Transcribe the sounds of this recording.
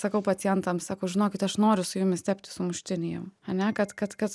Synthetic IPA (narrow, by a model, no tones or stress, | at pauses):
sɐkɐʊpɐt͡s̪ʲɪjɛnt̪ɐmsɑːkoːʒʲɪnoːkʲɪt̪ɐʃnoːɾʲʊsʊjʊmʲɪst̪ʲɛpʲt̪ʲɪ̥sʊmʊʃʲt̪ʲɪnʲɪjɛʊɐnʲɛkɐt̪kɐt̪kɐt̪